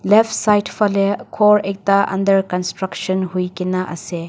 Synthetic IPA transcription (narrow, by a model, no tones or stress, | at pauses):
lepʰsajtpʰɐlekʰoɾek̚tɐʔɐ̰ndɐɾkɐnstɾɐksɐnhujkinɐʔɐ̰se